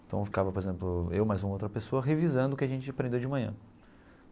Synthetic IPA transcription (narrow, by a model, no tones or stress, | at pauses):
ẽt̪ɐ̃w̃fi̥kavɐpoɾezẽmplʊewmajzũmɐowt̪ɾɐpesoɐɦevizɐ̃nd̪ʊkɪaʒẽnt͡ʃɪapɾẽnd̪ewd͡ʒɪmɐ̃ɲɐ̰̃